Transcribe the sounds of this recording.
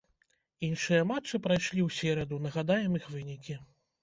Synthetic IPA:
inʂɨjɐmat͡ʂːɨpɾajʂlʲiwsʲɛɾɐd̪unɐɣad̪ajɛmixvɨnʲikʲi

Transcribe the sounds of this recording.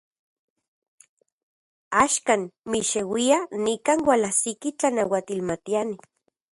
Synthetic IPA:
aʃkaːnmiʃewianikaːnwalasikit͡ɬanawat̪ilmat̪iani

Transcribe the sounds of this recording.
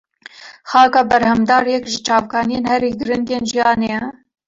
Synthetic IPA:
xɑːkɑːbɛɾhɛmd̪ɑːɾjɛkʒɪt͡ʃɑːvkʰɑːnijeːnhɛɾiːɡɨɾɨnd̪eːnʒijɑːnejɛ

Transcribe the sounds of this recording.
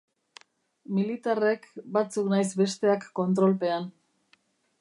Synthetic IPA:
milit̪are̞kbat͡suknajzbe̞st̪e̞akːo̞nt̪ɾo̞lpe̞an

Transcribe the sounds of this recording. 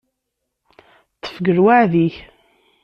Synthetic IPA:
t̪ːə̥fɡəɾwaʕðiç

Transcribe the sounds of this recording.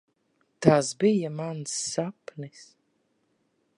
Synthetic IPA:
t̪aːsbijamansːapnis

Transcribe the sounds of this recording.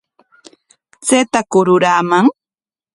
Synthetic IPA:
t͡set̪akʊɾʊɾaːmaŋ

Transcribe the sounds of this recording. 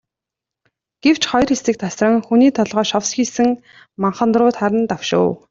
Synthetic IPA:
ɡ̥ew̥t͡ɕχɔjrxesɘ̆k̚t̪ʰasrə̆ŋxuniːt̪ʰɔɮʁɔːʃɔwsxiːsɘ̆ŋ | maɴχə̆nt̪rʊːt̪χaɾə̆nt̪awʃʊ̰ː

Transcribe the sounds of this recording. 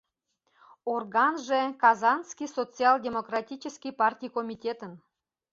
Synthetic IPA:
orɣɑnʒekɑzɑnskisot͡siɑlˠdʲemokrɑtʲit͡ɕəskʲipɑrtʲijkomʲitʲet̪ən

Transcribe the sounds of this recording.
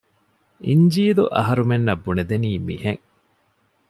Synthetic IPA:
iɲd͡ʒiːlṵʔɐ̰ɦɐɾumenːɐbːuned̪eniːmḭheŋ

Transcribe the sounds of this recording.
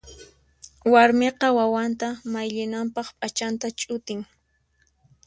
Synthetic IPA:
waɾmeqɑwawant̪amajʎɪnampɑχpʼat͡ʃant̪at͡ʃʼʊt̪ɪŋ

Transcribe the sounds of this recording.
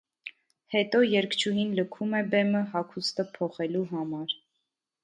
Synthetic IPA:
hɛt̪ɔjɛɾkʰt͡ʃʰuɦinləkʰumɛbɛməɦɑkʰust̪əpʰɔχɛluɦɑmɑɾ

